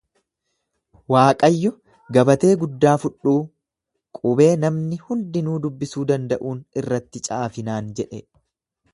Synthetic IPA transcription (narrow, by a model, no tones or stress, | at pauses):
waːkʼɐjːɔ | ɡɐbɐt̪e̞ːɡʊd̪ːaːfʊᶑːuː | kʼʊbe̞ːnɐmnɪhʊnd̪ɪnuːd̪ʊbːɪsuːd̪ɐnd̪ɐʔuːnɪrːɐt̪ːɪt͡ʃʼaːfɪnaːnd͡ʒɛᶑɛ